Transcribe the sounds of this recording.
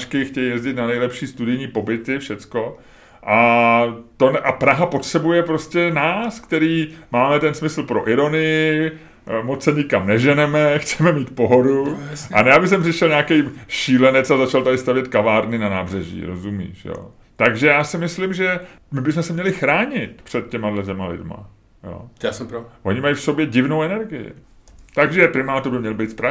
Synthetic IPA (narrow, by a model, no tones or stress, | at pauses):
t͡ʃkɪxcɛjjɛzɟɪt̪nanɛjlɛpʃiːst̪udɪjɲiːpo̞bɪt̪ɪfʃɛt͡sko̞ | ʔa | t̪onʔapɾaɦapot̪r̥ɛbujɛpɾo̞scɛnaːskt̪ɛɾiːmaːmɛt̪ɛnsmɪsl̩pɾo̞ʔɪɾo̞nɪjɪ | mot͡ssɛɲɪkamnɛʒɛnɛmɛxt͡sɛmɛmiːt̪po̞ɦo̞duʔa̰jaːbɪs̬ɛmprɪʃɛlɲaːkɛjʃiːlɛnɛt͡sazat͡ʃalt̪adɪst̪avjɛt̪kavaːɾnɪnanaːbr̝ɛʒḭːɾo̞̰zumḭːʃjo̰ː | t̪aɡʒɛjaːsɪmɪslɪmʒɛ | mɪbɪsmɛsɛmɲɛlɪxɾaːɲɪt̪pr̝̥ɛt̪̚cɛmadlɛt̪̬ɛmalɪ̰dma̰ | jo̰ː | ʔoɲɪmajfso̞bjɛɟɪvno̞wɛnɛɾɡɪjɪ̰ | t̪aɡʒɛpɾɪmaːt̪oɾbɪmɲɛlbijt̪spɾa